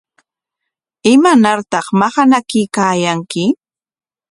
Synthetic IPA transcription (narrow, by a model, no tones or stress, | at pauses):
ɪmanaɾt̪ɑχmɑχanakɪkaːjaŋkɪ